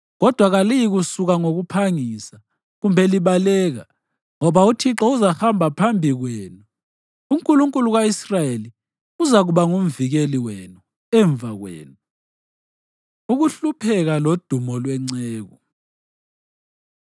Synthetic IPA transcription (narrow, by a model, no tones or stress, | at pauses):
ɣɔd̥ʱwaɣalijiɣusuɣaŋoɣupʰaŋisa | ɣumbʱɛliβalɛːɣa | ŋɔβautʰiǁɔuzaxambʱapʰambʱiɣwɛːnu | uŋkʼuluŋkʼuluɣwaisrajeli | uzaɣuβaŋum̩viɣeliwɛnu | ɛɱvʱaɣwḛːnu | uɣuɬupʰɛɣalod̥ʱumɔlwɛŋ͡ǀɛːɣɔ̰